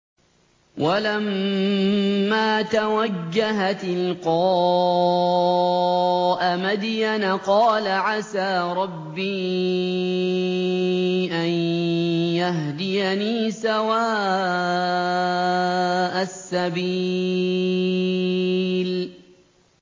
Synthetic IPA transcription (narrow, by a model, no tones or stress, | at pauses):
walam | aːt̪awad͡ʒːaɦat̪ɪlqɑː | ʔamad̪janaqɑːlaʕasaːɾˤɑbːiː | ʔan | jaɦd̪ɪjaniːsawaː | ʔasːabi | l